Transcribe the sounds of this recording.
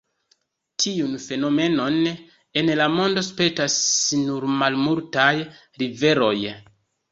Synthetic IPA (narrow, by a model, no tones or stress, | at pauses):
tʰiunfe̞no̞me̞no̞n | e̞nlamo̞ndo̞spe̞tasnuɾmalmultaj | ɾive̞ɾo̞̰j